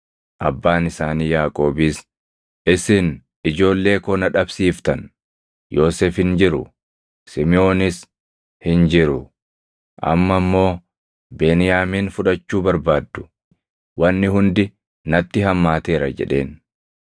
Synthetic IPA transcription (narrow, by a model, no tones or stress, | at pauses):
ʔɐbːaːnɪsaːniːjaːkʼo̞ːbiːs | ʔɪsɪn | ɪd͡ʒo̞ːlːe̞ːkɔnɐᶑɐbsiːft̪ɐn | jo̞ːseːfhɪnd͡ʒɪɾʊ̰ | sɪmɪo̞ːnɪs | hɪnd͡ʒɪɾʊ | ʔɐ̰mːɐmːo̞ː | beːnɪjaːmiːnfʊᶑɐt͡ʃːuːbɐɾbaːd̪ːʊ̥ | wɐnːɪhʊnd̪ɪ | nɐt̪ːɪɦɐmːaːt̪e̞ːɾɐd͡ʒɛ̰ᶑe̞ːn